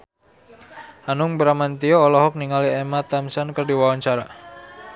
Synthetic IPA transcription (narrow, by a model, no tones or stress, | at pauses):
anʊŋbəɾamant̪iɔːlɔɦɔk̚niŋaliɛmat̪amsankərdiwawaɲt͡ʃaɾa